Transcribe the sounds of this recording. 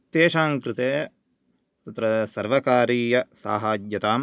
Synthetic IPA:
t̪eːʃaːŋkɾɪt̪eː | t̪ɐt̪ɾɐsɐɾʋɐkaːɾiːjɐsa̰ːɦaːd͡ʒjɐt̪aːm

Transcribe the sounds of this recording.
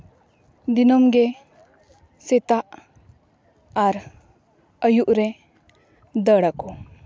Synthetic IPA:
d̪inɔmɡe | set̪aʔ | aɾ | əjuʔɾɛ | d̪əɽako

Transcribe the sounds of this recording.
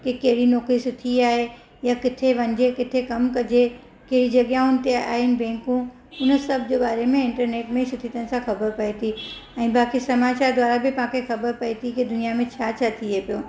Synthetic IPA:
kekɐɦɪɽinoːkɾisʊt̪ʰiaːɦe | jakɪt̪ʰeʋɐ̃ɲd͡ʑekɪt̪ʰekɐmkɐd͡ʑe | kɐɦɪɽid͡ʑɐɠjãʊnɪ̆t̪ea̰ːɦɪnɪ̆bɛ̃ːŋkũ | ʊnəsɐbʱd͡ʑeːbaːɾemẽɪ̃ɳʈəɾneːʈmẽsʊt̪ʰit̪ənɪ̆sãxɐbəɾpɐit̪ʰi | ɛ̃ːbaːkisɐmaːt͡ɕaːɾd̪waːɾabɪpɐãkʰexɐbəɾpɐit̪ʰikɪd̪ʊnijamẽt͡ɕʰaːt͡ɕʰat̪ʰiepijoː

